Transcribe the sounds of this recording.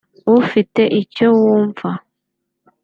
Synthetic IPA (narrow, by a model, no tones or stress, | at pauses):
ofiteʔit͡ʃowoɱfa